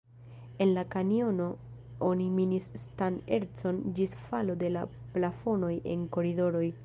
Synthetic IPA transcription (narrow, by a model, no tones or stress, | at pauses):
e̞nlakanio̞no̞ | oniminisːtane̞ɾt͡so̞nd͡ʒisfalo̞de̞la | plafo̞no̞je̞̰ŋko̞ɾido̞ɾo̞j